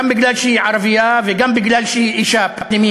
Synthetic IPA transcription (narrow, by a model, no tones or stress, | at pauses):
ambɪɡlaːlʃiʕɑɾˤɑbɪjːavɪɡambɪɡlaːlʃiʔiʃaːbabnɪmi